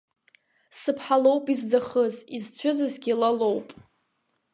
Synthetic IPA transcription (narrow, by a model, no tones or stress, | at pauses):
sɨpʰħalo̞wpʼizd͡zaχəzizt͡ɕʷʰʊzɨzɡʲilalo̞wpʼ